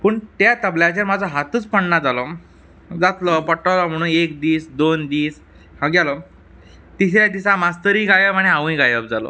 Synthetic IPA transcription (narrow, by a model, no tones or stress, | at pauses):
pəɳt̪jat̪əbljat͡ɕaɾmad͡zəɦat̪uːt͡spəɳnad͡zalɔ | d͡zat̪lɔpɔʈəʋlam̤əɽ̃uːnekd̪iːsd̪ond̪iːs | hãɡalɔ | t̪iɕɾjad̪isãmast̪əɾiːɡajəbaɽ̃iãʋ̃ĩɡajəb̚d͡zalɔ̰